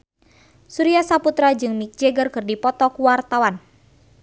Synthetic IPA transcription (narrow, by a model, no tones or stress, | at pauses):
suɾiasaput̪ɾad͡ʒɨŋnik̚d͡ʒɛɡərkɨrdipɔt̪ɔkuwart̪awan